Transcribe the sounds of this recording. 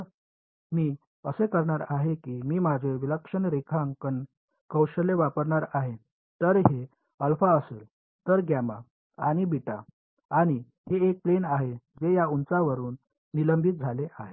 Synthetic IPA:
miː | əsekəɾɳaɾaɦekiːmiːmad͡ʑʱeʋiləkʂənɾekʰaŋkən | kəwɕəleʋapəɾɳaɾaɦe | t̪əɾɦe | əlfaəsḛːl | t̪əɾɡjama̰ | aɽ̃ibiʈa̰ | aɽ̃i | ɦeek̚plenaɦed͡zejaunt͡saʋəɾuːnː | iləmbʱit̪̚d͡zʱaleʔaɦe

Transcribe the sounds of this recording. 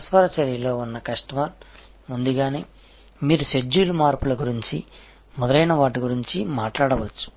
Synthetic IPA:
sʋaːɾɐt͡ʃɐɾjɐlo̞ːunːɐkɐʂʈɐmaːl | mund̪uɡaːneː | miːɾused͡ʒːuːlumaːɾpulɐɡuɾiɲt͡ʃi | mɔd̪ɐɾɐjnɐʋaːʈiɡuɾiɲt͡ʃimaːʈlaːɽɐʋɐt͡ʃːu̥

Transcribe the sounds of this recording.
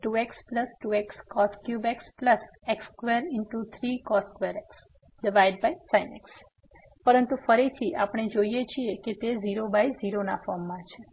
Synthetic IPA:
ʈuekspləsʈuekskɔskjubekspləs | ekskʋeɾɪnʈut̪ʰɾikɔskʋeɾeks | ɖiʋajɖ̚bajsaineks | pəɾənt̪ufəɾit̪ʰiʔapɳ̃ed͡ʒoijet͡ʃʰieket̪eziɾobajziɾonafɔɾmːãt͡ʃʰe

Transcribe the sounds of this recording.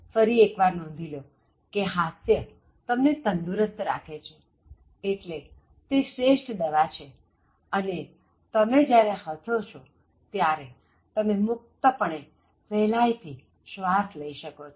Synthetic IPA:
fəɾiekʋaɾnɔ̃n̆d̪ʱilo | keɦasjə | t̪əmnet̪ənd̪uɾəst̪ɾa̰kʰet͡ʃʰe | eʈle | t̪eʃɾeʃʈd̪eʋat͡ʃʰe | əne | t̪əmed͡ʒjaɾehət̪ʰot͡ʃʰo | t̪jaɾe | t̪əmemʊk̚t̪əpəɳe | fɛlajt̪ʰi | ʃʋasləiʃəkot͡ʃʰo

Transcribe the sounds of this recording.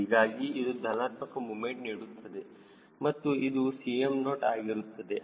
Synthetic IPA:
iɡaːɡiːd̪ud̪ʱɐnaːt̪mɐkɐmumeɳʈ̚niːɽut̪ːɐd̪e | mɐt̪ːuid̪usijemno̞ːʈaːɡiɾut̪ːɐd̪e̞

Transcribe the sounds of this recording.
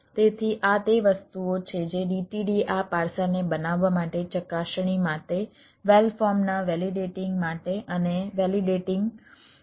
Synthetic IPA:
t̪et̪ʰiʔat̪eʋəst̪uot͡ʃʰed͡ʒeɖiʈiɖiʔapaɾsanebənaʋːamaʈet͡ʃəkaʃɳ̃imaʈe | ʋelfɔɾmnaʋɛliɖeʈɪ̃ŋɡmaʈeʔəneʋɛliɖeʈɪŋɡ

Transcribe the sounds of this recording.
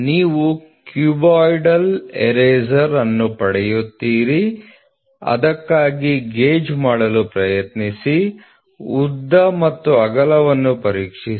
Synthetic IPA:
niːʋukjuːbaːjɖɐlḛɾeːzɐɾɐnːupɐɽɛjut̪ːiːɾi | ɐ̰d̪ɐkːaːɡiɡeːd͡ʒmaːɽɐlupɾɐjɐt̪nisi | ud̪ːɐmɐt̪ːuɐɡɐlɐʋɐnːupɐɾiːkʂi

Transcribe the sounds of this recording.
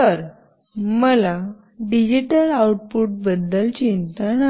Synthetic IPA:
təɾ | məla | ɖid͡ʑiʈəlawuʈ̚puʈ̚bəd̪ːəlt͡ɕint̪ana

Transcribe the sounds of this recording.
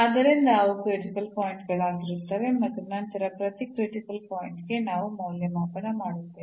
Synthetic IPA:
ɐd̪ɐɾind̪ɐʋukɾeʈikɐlpoːjiɳʈɡɐɭaːɡiɾut̪ːɐʋe̞mɐt̪ːunɐnt̪ɐɾɐpɾɐt̪ikɾiʈikɐlpoːjiɳʈɡe̞naːʋumɐwljɐmaːpɐnɐmaːɽut̪ːe

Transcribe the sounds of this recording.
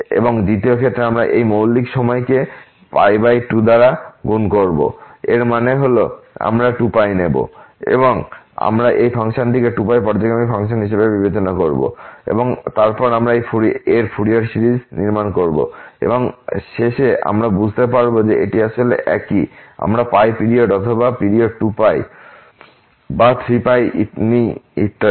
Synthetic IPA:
ḛboŋd̪it̪iokʰet̪ːɾeamɾaʔejmowlːikʃɔmɔeke | pa̰jbajʈud̪aɾaɡunkoɾbo̰eɾmaneɦoloa̰mɾaʈupajnebo̰ḛboŋ | a̰mɾaʔejpʰaŋʃanʈikeʈupajpɔɾd͡ʑokeamifʰaŋʃonɦiʃebebibet͡ɕonakoɾbo̰ḛboŋt̪aɾpɔɾamɾaejfuieɾfʰuɽiaɾsiɾid͡ʑniɾmankoɾbo̰ḛboŋʃeʃeʔa̰mɾabud͡ʑʱt̪epaɾbod͡ʑeeʈiaʃolḛʔɛ̰kia̰mɾapajpiɾioʈɔt̪ʰobapiɽioʈupaj | bat̪ʰɾipajniiʈː

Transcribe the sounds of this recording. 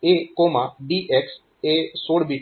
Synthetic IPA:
ekoːmãɖiːʔeks | esoːɽbi

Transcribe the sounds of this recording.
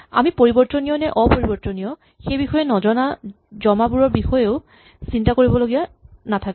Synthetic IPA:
a̰mipoɹibɔɹtɔnijɔnɛʔɔpoɹibɔɹtɔnijɔ | xejbixɔjɛnɔzɔna | zɔmabuɹɔɹbixɔjeʊ | sintakoɹibɔloɡijanatʰak

